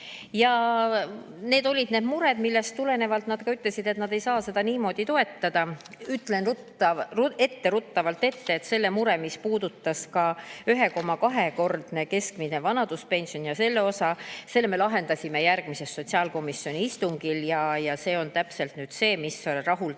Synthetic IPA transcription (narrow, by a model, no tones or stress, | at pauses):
jɑ | ne̞ːd̪o̞lʲid̪̥ne̞d̪muɾed̪milːe̞st̪ːule̞ne̞vɑlt̪nɑd̪̥kɑyt̪ːˑle̞sid̪̥e̞t̪nɑd̪e̞jsɑːse̞d̪̥ɑniːmo̞ːd̪̥it̪o̞e̞t̪ːɑd̪̥ɑ | yt̪ːˑlenu | ue̞t̪ːe̞ɾut̪ːɑvɑlt̪e̞t̪ːe̞ːt̪se̞lːe̞muɾe̞mispuːd̪̥ut̪ːɑskɑyɦe̞ko̞mːɑkɑɦe̞ko̞rd̪̥ne̞ke̞skminevɑnɑd̪̥uspe̞nsio̞njɑse̞lːe̞o̞sɑse̞lːeme̞lɑɦe̞nd̪ɑsʲime̞jærɡ̥mise̞sːo̞t̪ʲsiɑːlko̞misːio̞niist̪uŋɡ̥iljɑjɑse̞ːo̞nt̪æpse̞lt̪nyːd̪̥se̞ːmisorɑɦul